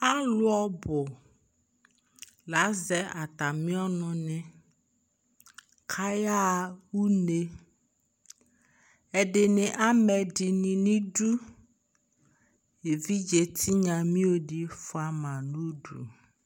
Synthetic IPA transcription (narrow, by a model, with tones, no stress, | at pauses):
a˦lʊ˦ɔ˦bʊ˨ | la˨˦zɛ˨ʔa˨t̪a˨mĩ˦ɔ˦nʊ̃˨nɪ̃˦ | kʰa˦ja˦wu˦ne˦ | ɛ˨ɖɪ˨nɪ̃˨ʔa˦mɛ˨ɖɪ˨nĩ˨nĩ˦ɖu˦ | e˨vi˦d͡ʒe˨t̪ʰi˦ɲã˨mĩ˦o˨ɖi˨fʊ˦a˨mã˨nũ˦ɖṵ˨